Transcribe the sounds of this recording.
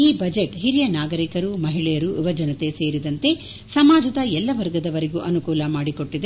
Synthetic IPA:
iːbɐd͡ʒeʈɦiɾijɐnaːɡɐɾikɐɾumɐɦiɭɛjɐɾuʋiʋɐd͡ʒɐnɐt̪e̞se̞ːɾid̪ɐnt̪e̞ | sɐmaːd͡ʒɐd̪ɐɛlːɐʋɐɾɡɐd̪ɐʋɐɾeɡuʔɐnukuːlɐmaːɽiko̞ʈːid̪e

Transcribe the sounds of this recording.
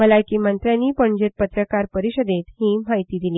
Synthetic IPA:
məlakiːmənt̪ɾjãnːiːpəɳd͡ʑet̪̚pət̪ɾəkaɾpəɾiɕəd̪et̪hiːmaɦjt̪iːd̪iliː

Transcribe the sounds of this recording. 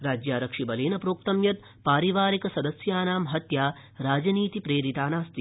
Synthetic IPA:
ɾaːd͡ʒjaːɾɐkʂibɐleːnɐpɾoːk̚t̪ɐmjɐt̪̚ | paːɾiʋaːɾikɐsɐd̪ɐsjaːnaːmɦɐt̪jaː | ɾaːd͡ʒɐniːt̪ipɾeːɾit̪aːnaːst̪i

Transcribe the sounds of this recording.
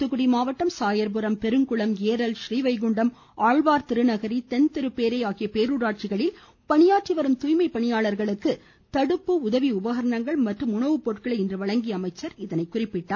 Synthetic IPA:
t̪ɯɣɯɽimaːʋɐʈːɐmsaːjɐɾbɯɾɐmpɛɾɯŋkɯɭɐmeːɾɐlʃɾiːʋɐɪɡʊɳɖɐm | ʔaːɻbaːɾt̪ɪɾɯnɐɣɐɾit̪ɛnt̪ɪɾɯpeːɾɐɪaːɣɪjɐpeːɾuːɾaːʈ̚t͡ʃɪɣɐɭɪl | pɐɳɪjaːʈ̚ʈt͡ʃiʋɐɾɯmt̪ujmɐɪpːɐɳɪjaːɭɐɾɣɐɭɯkːɯ | t̪ɐɽɯpːɯʊðɐʋiʊbɐɣɐɾɐɳɐŋɡɐɭmɐʈrɯmʊɳɐʋɯpoːʈkɐɭɐɪɪndrɯʋɐɭɐŋɡɪjɐmɐɪt͡ʃːɐɾɪðɐnɐɪkːʊrɪpːɪʈːaː

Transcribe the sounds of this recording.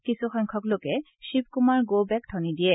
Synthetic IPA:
kisuxɔŋkʰɔklokɛ | ʃip̚kumaɹɡobɛk̚tʰɔnidiɛ

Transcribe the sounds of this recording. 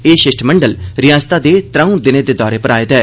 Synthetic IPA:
eːʃɪʃʈʰməɳɖəlɾɪjaːst̪aːd̪eːt̪ɾə̃ũd̪ɪneːd̪eːd̪ɔːɾeːpəɾaːɪt̪ɛː

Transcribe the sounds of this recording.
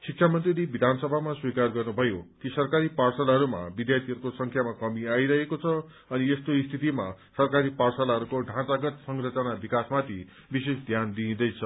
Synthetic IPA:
siksʰamʌnt̪rilibid̪ʱansʌbʱamaswikarɡʌrnubʱʌjokisʌrkaɾiparsʌlɦʌɾuma̰bid̪jart̪ʰiʌɾukosʌŋkʰjamakʌmiajɾʌɦekot͡sʰʌ | ʌniest̪oist̪ʰit̪ima | sʌrkaɾiparsʌlaɦʌɾukoɖʱãt͡saɡʌt̪sʌŋrʌt͡sʌnabikasmat̪ʰi | bisesd̪ʱjand̪ĩːd̪ʌjt͡sʰʌ

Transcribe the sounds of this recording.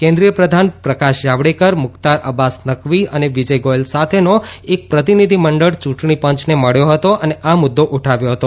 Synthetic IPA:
kẽnd̪ɾijəpɾəd̪ʱanpɾəkaʃjaʋɽekəɾmʊkt̪aɾəbasnəkʋiəneʋid͡ʒəjɡojlsat̪ʰenoek̚pɾət̪̬inid̪ʱiməɳɖəɭt͡ʃũʈɳipəɲt͡ʃneməɭjoɦət̪oʔəneʔamʊd̪ːoʔuʈʰaʋjoɦət̪o

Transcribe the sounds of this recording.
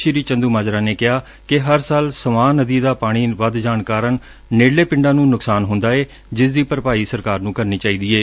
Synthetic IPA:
ʃiɾiːt͡ʃənd̪uːmaːd͡ʒɾaːneːkɪɦaː | kɪɦəɾsaːlsəmaːnːəd̪iːd̪aːpaːɽ̃iːʋəd̪d͡ʒaːɳkaːɾən | neːlːeːpɪ̃ɳɖaːnũːnʊksaːnɦʊnd̪aːeː | d͡ʒɪsd̪iːpəɾpaːiːsəɾkaːɾnũːkəɾniːt͡ʃaːiːd̪iːeː

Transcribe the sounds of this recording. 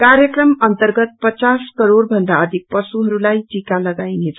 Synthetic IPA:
kaɾjʌkrʌmʌnt̪ʌrɡʌt̪̚pʌt͡saskʌɾoɾbʱʌnd̪aʌd̪ʱik̚pʌsuɦʌɾulajtikalʌɡajnet͡sʰ

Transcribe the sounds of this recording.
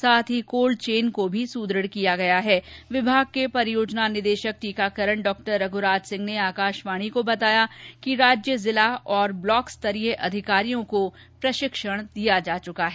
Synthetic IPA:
saːt̪ʰɦikoːlɖt͡ʃeːnkobʱisuːd̪ɾəɽkijaɡɐjaɦɛːʋɪbʱaːɡ̚kepɐɾjoːd͡ʒnanɪd̪eːʃək̚ʈiːkakəɾəɳ̃ɖɔːk̚ʈəɾːɐɡʱʊɾaːd͡ʒsɪ̃ŋɡneaːkaːʃʋaːɽ̃ikobɐt̪aːjakiɾaːd͡ʒjəzɪlaɦɔːɾblɔːkst̪ɐɾiːɦeʔɐd̪ʱɪkaːɾijõko | pɾɐʃɪkʃəɽ̃d̪ijad͡ʒaːt͡ʃʊkaɦɛː

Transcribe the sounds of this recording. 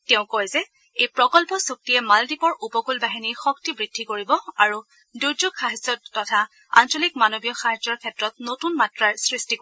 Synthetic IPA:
tɛʊ̃kɔjzɛ | ejpɹɔkɔlpɔsuk̚tijɛmaldipɔɹupɔkulbaɦinixɔktibɹid̥ʱːikoɹibɔaɹu | duɹzuɡxaɦɛd͡ʒɔtːɔtʰa | a̰nsɔlikmanobijɔxaɦɛzɔɹkʰɛtɹɔt̚notunmatɹaɹsɹistik

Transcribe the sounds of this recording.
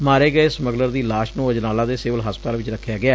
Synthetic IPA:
maːɾeːɡəesməɡləɾd̪iːlaːʃnũːəd͡ʒnaːlãːd̪eːseːʋəlɦəspət̪aːlʋɪt͡ʃɾəkʰːjaːɡɪaː

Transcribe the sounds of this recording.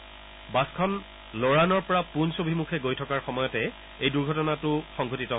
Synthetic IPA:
baskʰɔn | loɹanɔɹpɔɹapunsobʱimukʰɛɡojtʰɔkaɹxɔmɔjɔtɛ | ejduɹɡʱɔtɔnatʊxɔŋɡʱotitɔ

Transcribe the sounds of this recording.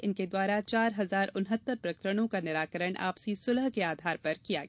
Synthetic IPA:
ɪnked̪waːɾat͡ʃaːɾɦɐzaːɾʊnɦət̪ːəɾpɾɐkɾəɽ̃õkanɪɾaːkəɾəɳ̃ʔa̰ːpsisʊlɦkeaːd̪ʱaːɾpɐɾkija̰ɡ

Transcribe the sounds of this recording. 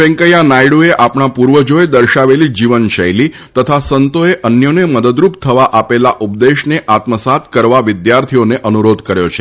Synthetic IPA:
ɛ̃ŋkəjanajɽueʔapɳ̃apuɾʋəd͡ʒoed̪əɾʃaʋelid͡ʒiʋənʃə̰jli | t̪ət̪ʰasənt̪oeʔənjoneməd̪əd̪ɾupt̪ʰəʋaʔapelaʔup̚d̪eʃneʔat̪məsat̪kəɾʋaʋɪd̪jaɾt̪ʰioneʔənuɾod̪kəɾjot͡ʃʰe

